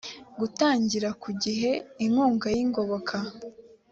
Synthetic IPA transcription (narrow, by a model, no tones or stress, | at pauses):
ɡutaːɲɟiɾakuɟiɦe̞iŋuːŋɡajiŋɡo̞βokʰa